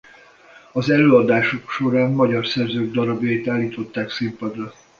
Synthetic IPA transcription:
ɒzɛløːɒd̪aːʃo̞kʃo̞ɾaːnːɒɟɒrsɛrzøːɡ̚d̪ɒɾɒbjɒjit̪aːlːiːt̪o̞t̪ːaːksimpɒd̪rɒ

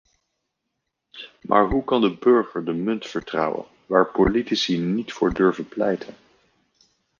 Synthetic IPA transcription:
mʔa̰ːɹɦukɑndəbɵɹχəɹdəmɵntfəɹtrɑ̰wə̰n | ʋaːɹpolitisinitfʊːɹdɵɹvənplɛjtʰən

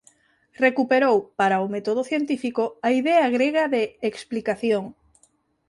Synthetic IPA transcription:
rekupeɾowpaɾaomet̪oð̞oθjent̪ifikoaiðeaɣɾeɣaðeːksplikaθjoŋ

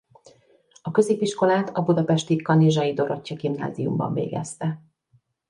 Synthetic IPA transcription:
ɒkø̞zeːpiʃko̞laːt̪ɒbud̪ɒpɛʃt̪ikɒniʒɒid̪o̞ɾo̞cːɒɡimna̰ːzijṵmbɒ̰ɱvḛːɡɛ̰st̪ɛ

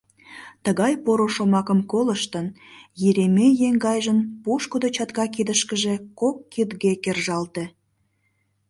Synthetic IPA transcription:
t̪əɣɑjpoɾoʃomɑkəmkoləʃt̪ən | jeɾemejeŋɡɑjʒənpuʃkod̪ot͡ɕɑt̪ɣɑk̬id̪əʃkəʒekokːid̪ɣekerʒɑlt̪e

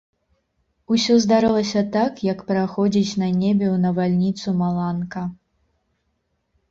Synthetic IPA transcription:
usʲɔzd̪aɾɨlˠɐsʲɐt̪akjɐkpɾaxɔd͡zʲit͡sʲnɐnʲebʲɛwnɐvalʲnʲit̪sumalˠankɐ

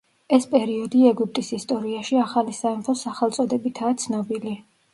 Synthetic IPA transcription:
ɛspʼɛɾiɔd̪iɛɡup̚ʰt̪ʼisist̪ʼɔɾiaʃiaχalisaɛmpʰɔsaχɛlˠt̪sʼɔd̪ɛbit̪ʰaːt̪sʰnɔbili

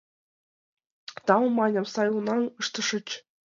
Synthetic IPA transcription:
t̪ɑwmɑnʲɤ̆msɑjlˠunɑnɯʂt̪ɤ̆ʂɤ̆t͡ɕ

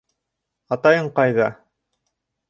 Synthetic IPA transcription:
ɑt̪ɑjɤɴqɑjðɑ

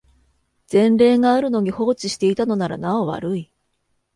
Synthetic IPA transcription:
d͡z̥ẽ̞nɾe̞ːŋaːɾɯ̟no̞ɲ̟iho̞ːt͡ɕiɕi̥t̪e̞it̪ano̞naɾa̰naoβa̰ɾɯ̟i

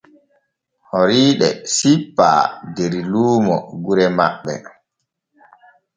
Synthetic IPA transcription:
hoɾiːɗɛ̰sipːa̰ːdeɾiluːmɔ̰ɡuɾɛma̰ɓːɛ̰

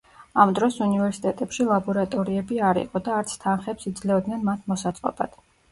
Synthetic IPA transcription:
amd̪ɾɔsunivɛɾsi̥t̪ʼɛt̪ʼɛpʃilˠabɔɾat̪ʼɔɾiɛbiaɾḭqʼɔd̪aːɾt̪sʰt̪ʰanχɛpsid̪zlɛɔd̪nɛnmat̪ʰmɔsat̪sʼqʼɔ̰b̥a̰d̪̥

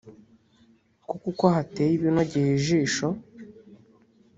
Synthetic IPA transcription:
kukukohatejiβinoɟihiʒiːʃo

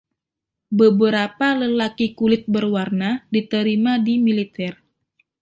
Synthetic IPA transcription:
bəbəɾapaləlakikulɪt̪̚bərwarnadit̪əɾimadimilit̪ɛr

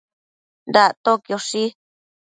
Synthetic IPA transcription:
nd̪at̪okjoʂi

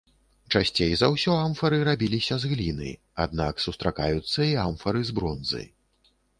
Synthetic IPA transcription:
t͡ʂasʲt͡sʲejzɐwsʲɔamfɐɾɨɾabʲilʲisʲɐzɣlʲinɨ̰j | a̰d̪̚naksust̪ɾakajut̪sːɐiamfɐɾɨzbɾɔnzɨ̰j

